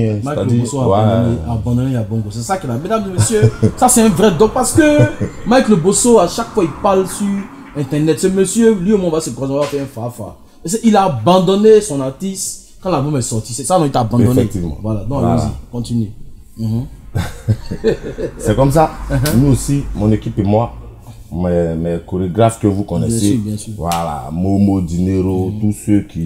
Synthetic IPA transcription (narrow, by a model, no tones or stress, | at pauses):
ɛmajklbosoaaãd̪neabɑ̃d̪ɔ̃nelalbɔmɡosɛsakɛlamed̪ãmd̪əmøsjøsasɛɛ̃vʁɛd̪ɔ̃k̚paʁsə̥kømajklobosoaʃakfwailpalsy | ɛ̃t̪ɛʁnɛt̪səmøsjølwiomɔ̃vasəkwazẽavafɛɛ̃fafwa̰ | ɛs̬eʔilaːbãd̪ɔnesɔ̃nat̪is | kãlabõmɛsɔtisesanɔ̃itabãdɔ̃nfɛtivmã̰waladɔ̃awolzikɔ̃tine | ɦ̩ | sɛkɔms̬ãɦnuosimɔ̃nekipemoa | mɛmɛkoɾeɡɾafkovukɔnɛɛ̃sebjɛ̃siwala̰momodineɾotusekʰi